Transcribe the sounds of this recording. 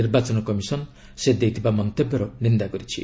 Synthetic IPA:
iɾbat͡ʃɔnɔkɔmisɔn | sed̪ejt̪ʰibamɔnt̪ebjɔɾɔnind̪akɔɾit͡ʃʰḭ

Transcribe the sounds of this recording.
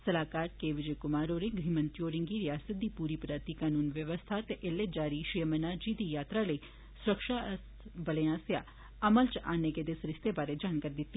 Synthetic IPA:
səlaːkaːɾkeːʋɪd͡ʒekʊmaːɾoːɾẽɡiːmə̃nt̪ijoːɾɪ̃ŋɡiːɾɪjaːsət̪̚d̪iːpuːɾiːpɾaːt̪iːkaːnuːnʋjəʋəst̪ʰat̪eʔeled͡ʒaːɾiːʃijəmənaːd͡ʒiːd̪iːjaːt̪ɾaləi | sʊɾəkʃaːs | bəleãːsjaː | ɐməlt͡ʃa̰ːneked̪esɾɪst̪ebaːɾed͡ʒaːnkaːɾid̪ɪt̪ːi

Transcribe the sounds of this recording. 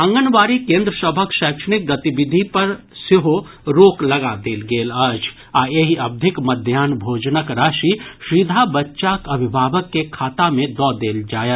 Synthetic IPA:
ɐ̃ŋɡənʋaːɾikẽːnd̪ɾəsəbʱəkʃɛːkʃənɪk̚ɡɐt̪ibɪd̪ʱipɐɾ | sɪɦoɾoːklɐɡad̪eːlɡeːlɐd͡ʒ | aːeɦiɐb̚d̪ʱɪkmɐd̪ʱjaːnbʱoːd͡ʒnəkɾaːʃiʃɾid̪ʱabɐtːʃaːkɐbʱɪbʱaːʋəkːekʰaːt̪amẽd̪ɔːd̪eːld͡ʒaːet̪

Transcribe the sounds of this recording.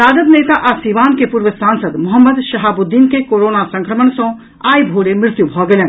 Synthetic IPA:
saːd̪əd̪neːt̪aʔɐsiːʋaːnkepuːɾʋəsaːnsəd̪mʊɦəmːəd̪ʃɐɦabʊd̪ːiːnkekoːɾoːnasɐ̃ŋkɾəməɳsõ | aːjbʱoːɽemɾɪt̪jubʱɔːɡelen

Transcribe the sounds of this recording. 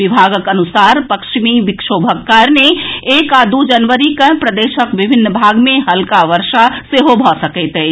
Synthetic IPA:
ɪbʱaːɡəkənʊsaːɾpəkʃmiʋɪkʃoːbʱəkːaɾneeːkad̪ud͡ʒənʋəɾikəɦpɾəd̪eːʃəkʋɪbʱɪnːəbʱaːɡmẽɦɐlkaʋəɾʃaseɦobʱɔsəkɛt̪ɛː

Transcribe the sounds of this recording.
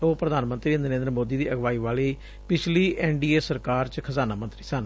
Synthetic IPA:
oːpɾəd̪aːnmənt̪ɾiːnəɾẽːnd̪ɾəmoːd̪iːd̪iːʔəɡʋaːiːʋaːliː | pɪt͡ʃʰliːʔɛːɳɖiːeːsəɾkaːɾt͡ʃkʰəzaːnaːmə̃nt̪ɾiːsən

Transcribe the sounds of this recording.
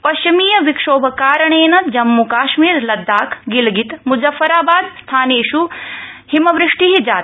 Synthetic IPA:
pɐʃt͡ʃimiːjɐʋikʂoːbʱɐkaːɾɐɳeːnɐt̪d͡ʒɐmːukaːʃmiːɾlɐd̪ːaːkʰɡilɡit̪muzɐfːɐɾaːbaːd̪st̪ʰaːneːʃuhimɐʋɾɪʂʈiɦid͡ʒaːt̪

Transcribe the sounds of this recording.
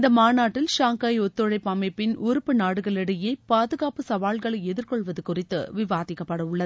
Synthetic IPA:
ɪnd̪ɐmaːnaːʈːɪlʃaːŋkaːjɔt̪ːɔɻɐɪpːamɐɪpːɪnʔʊɾɯpːɯnaːɽɯɣɐɭɛɽɐjeːpaːðɯɣaːpɯsɐʋaːɭɣɐɭɐɪɛðɪrkɔɭʋɐðɯkʊrɪt̪ːɯ̰ʋɪʋaːðɪkːɐpːɐɽɐʊɭːɐðɯ

